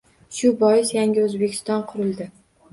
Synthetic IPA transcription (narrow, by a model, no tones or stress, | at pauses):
ʃʊbɒjɪsjaŋɡʲɪɵzbekʲʰɪ̥st̪ɒnqʰʊɾɪlˠd̪ɪ